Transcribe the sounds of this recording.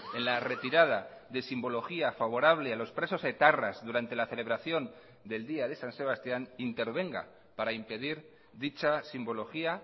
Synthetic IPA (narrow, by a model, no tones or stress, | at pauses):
e̞nlare̞t̪iɾað̞aðe̞simbo̞lo̞xiafaβ̞o̞ɾaβ̞le̞alo̞spɾe̞so̞set̪arazðuɾant̪e̞laθe̞le̞β̞ɾaθjo̞n | d̪e̞ld̪iaðe̞sanse̞βast̪janint̪e̞ɾβ̞e̞ŋɡa̰ | paɾaimpe̞ð̞iɾ | ðit͡ʃasimbo̞lo̞xia